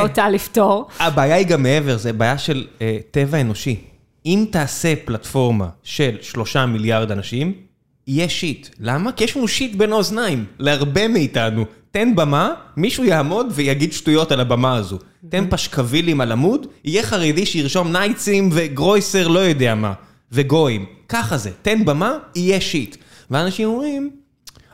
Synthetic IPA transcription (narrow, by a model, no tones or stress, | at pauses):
otaliftoʁabaːjaiɡamːee̞ve̞ʁzebaːjaʃe̞lete̞vae̞no̞ʃi | imtaːse̞platfo̞ʁma̰ʃe̞lʃlo̞ʃamiljaʁd̪anaʃim | ijeʃitlamakijɛʃnuʃit̪be̞noznaimleaʁbe̞meitanute̞nbamamiʃujaːmo̞dvejaɡid̪ʃtujo̞talabamaazu | t̪enpaʃkavilimalamudijeχaʁediʃejiʁʃo̞mnajt͡simve̞ɡʁo̞jse̞ʁlo̞jo̞d̪eama̰ | ve̞ɡo̞imkaχaze̞te̞nbamaijeʃit | veanaʃimomʁim